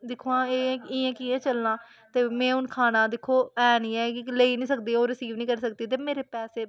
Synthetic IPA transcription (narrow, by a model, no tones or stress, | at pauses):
d̪ɪkʰːoːãːẽɪɛ̃ːkiːɛ̃ːt͡ʃəlnãː | t̪eːmɛ̃ːʊnkʰaːnãːd̪ɪkʰːoːɛːnĩːɛːkɪleiːnĩːsək̚d̪iːoːɾəsiːʋnĩːkəɾsəkd̪iːt̪eːmeːɾeːpɛːseː